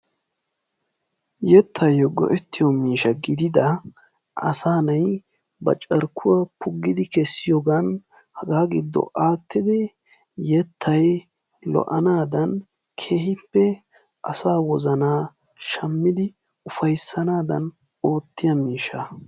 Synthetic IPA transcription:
jɛt̪ʰːɐjɔɡɔ̰ʔɛt̪ːɪjɔmiːʃɐɡɪd̪ɪd̪ɐ | ɐ̰saːnɐj | bɐ̰t͡ʃʼɐɾkʰːʊwɐpʊɡːɪd̪ɪkɛsːɪjɔɡan | hɐɡaːɡɪd̪ːɔ̰ʔaːt̪ːɪd̪ɛ | jɛt̪ʰːɐj | lɔ̰ʔɐnaːd̪ɐn | kʰeːɦɪpːɛ | ʔɐsaːwɔzɐnaː | ʃɐmːɪd̪ɪ | ʊfɐjsːɐnaːd̪ɐ̰n | o̞ːt̪ːɪjɐmiːʃɐ

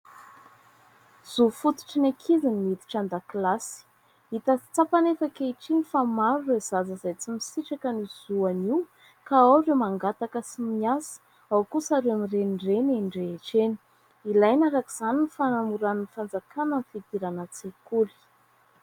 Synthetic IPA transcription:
z̥ufut̪u̥ʈ͡ʂinakʰizinimit̪i̥ʈ͡ʂand̪aklasi̥ | it̪at͡st͡sapanefakeiʈ͡ʂinifamaɾurezazəzajt͡simisiʈ͡ʂakəniz̥uaniw | kaawremaŋɡat̪akəsimiasə̥ | awkusaɾeamireniɖ͡ʐeninɖ͡ʐeeʈ͡ʂeni̥ | ilajnaɾakiz̥aninifanamuɾannifand͡zakanənifid̪̥iɾanət͡sekuli̥

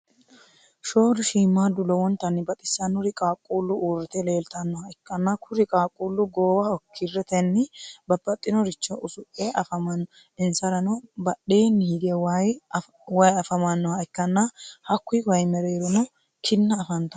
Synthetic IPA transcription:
ʃo̞ːd̪ʊʃiːmːaːd̪ʊlɔwɔnt̪ːɐnːɪbɐt̪ʼɪsːɐnʊɾɪkʼaːkʼːuːlːʊuːrːɪt̪ɛle̞ːlt̪ɐnːɔhɐɪkːɐnːɐkʰʊɾɪkʼaːkʼːuːlːʊɡoːwɐɔkʰːɪrːɛt̪ɛnːɪbɐbːɐt̪ʼːɪnɔɾɪt͡ʃːɔʔʊsʊʔʼːeʔɐfɐmɐnːɔ | ɪnsɐɾɐnɔbɐɗeːnːɪhɪɡɛwaj | wɐjɐfɐmɐnːɔhɐɪkːɐnːɐhɐkːʊjwɐjmɛɾeːɾɔnɔ | kʰɪnːɐːfɐnt̪ɐ

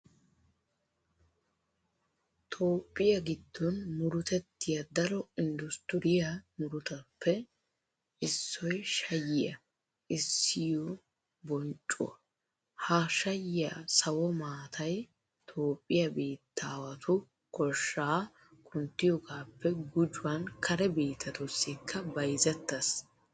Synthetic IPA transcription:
t̪ʰo̞ːpʼːɪjɐɡɪd̪ːɔnmʊɾʊt̪ɛt̪ːɪjɐd̪ɐɾɔɪnd̪ʊst̪ɪɾɪjɐmʊɾʊt̪ɐpʰːɛ | ʔɪsːɔjʃɐjɪjɐ | ʔɪsːɪjɔ | bɔnt͡ʃʼːʊ̰ɐ | haʃɐjɪjasɐwɔmaːt̪ʰɐj | t̪ʰoːpʼːɪjɐbeːt̪ʰːaːwɐt̪ʰʊ | kɔʃːaː | kʰʼʊnt̪ːɪjɔɡaːpːɛɡʊd͡ʒʊwɐnkʰɐɾɛbeːt̪ʰɐt̪ɔsːɪkʰːɐbɐjzɛt̪ːɐs

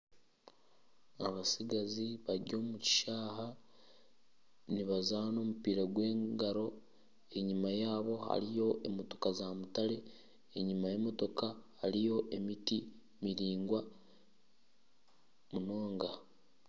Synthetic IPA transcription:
aβasiɡaziβaɾɟo̞ːmuci̥ʃaːɦa | niβazaːno̞ːmupiːɾaɡwe̞ːŋɡaɾo̞ | e̞ɲimajaːβo̞ha̰ɾijo̞ʔemo̞to̞kazamutaɾe̞ | eɲimajemo̞to̞kahaɾijo̞ʔe̞miti | miɾiːŋɡwa | muno̞ːŋɡa

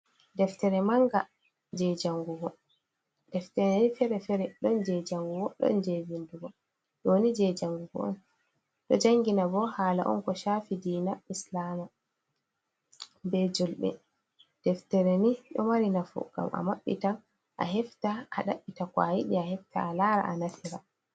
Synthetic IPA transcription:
dɛftɛɾɛmaŋɡa | d͡ʒɛd͡ʒaŋɡuɡɔ | dɛftɛɾɛnifɛɾɛfɛɾɛɗɔnd͡ʒɛd͡ʒaŋɡuɡɔɗɔ̰nd͡ʒevinduɡɔ | ɗonid͡ʒɛd͡ʒaŋɡuɡɔ̰ɔ̰n | ɗɔd͡ʒaŋɡinabɔhaːla̰ʔɔ̰nkɔʃaːfidiːnaʔislaːma | bɛd͡ʒɔlɓɛ̰ | d̥ɛftɛɾeniɗɔmaɾinafṵɡ̥a̰mʔa̰maɓːitan | ʔa̰ɦɛftaʔa̰ɗaɓːitakwa̰jiɗiahɛftaːlaːɾa̰ʔanatʰiɾa

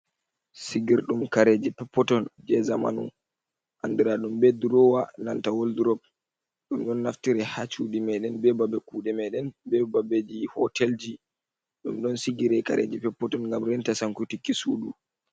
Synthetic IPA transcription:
siɡiɾɗumkaɾed͡ʒipɛpːɔtɔnd͡ʒɛzama̰nṵ | ʔa̰ndiɾaɗumbɛduɾɔwanantawolduɾɔb̚ | ɗumɗɔnːaftiɾɛhat͡ʃuɗimɛɗɛnbɛbabɛkuɗɛmɛɗɛnbɛbabed͡ʒihɔtɛld͡ʒi | ɗumɗɔnsiɡiɾɛka̰ɾʔḛd͡ʒipɛpːɔtɔnŋɡamɾɛntasaŋkutikːisuɗu

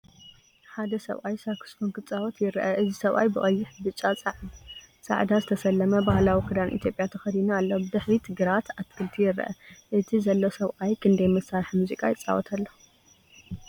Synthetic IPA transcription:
ħad̪ɐsɐ̰βʔajsakʰɨ̥sfonkɨt͡sʼawɔt̪jɪɾʔɐʔɨzisɐβʔa̰jbɨʔʼɐjːɪħbɨt͡ʃʼːat͡sʼʕsʼa̰ʕd̪azɨt̪ʰɐsɐlːɐmɐbahlawikʰɨd̪anʔḭt̪jo̞pʼjat̪ʰɐxɐd̪inualːobɨd̪ɨħβit̪ʰɨɡɨɾat̪at̪kʰɨlt̪ʰijɪɾʔɐ̰ʔɨt̪ʰizɐlːo̞sɐβʔajkʰɨnd̪ɐjmɐsːaɾħmuzikʼajɪt͡sʼːa̰wɔ̰t̪ʰalːo

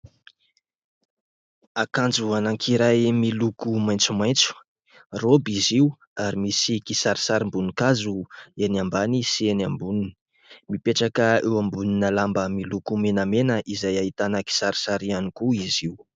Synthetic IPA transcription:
akand͡zuanaŋkʰiɾajmilukumajnt͡sumajnt͡su̥ | robiziu | aɾimisikisaɾi̥saɾimbunikazuenambanisienambunini̥ | mipeʈ͡ʂakəewambuninəlambəmilukumenəmenəʔizajait̪anaki̥saɾi̥saɾianikuiziw

